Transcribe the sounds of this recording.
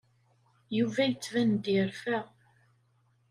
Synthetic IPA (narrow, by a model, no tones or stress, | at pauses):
juvæjət͡sːvænd̪ɪɾfæʁ